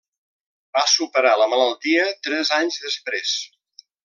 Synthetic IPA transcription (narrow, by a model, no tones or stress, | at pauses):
b̥asupəɾaləmələlˠt̪iət̪ɾɛzaɲzðəspɾes